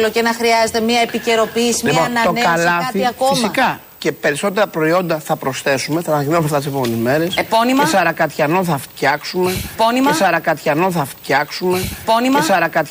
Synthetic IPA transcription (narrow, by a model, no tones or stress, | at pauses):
locenɐxɾiɐzet̪emiɐepice̞ɾo̞piːsilionɐt̪onekɐlɐɐθiɐkofimsiɐkɐ | ce̞pe̞ɾiso̞t̪e̞ɾɐpɾo̞io̞nd̪ɐθɐpɾo̞sθe̞sume̞θɐnɐinɐumeɐft̪ɐt̪isepo̞menizme̞ɾe̞spo̞nimɐsɐɾɐkɐt̪çɐnoθɐft̪çɐksumepo̞nimɐsɐɾɐkɐt̪çɐno̞θɐft̪çɐksume̞po̞nimɐsɐɾɐkɐt̪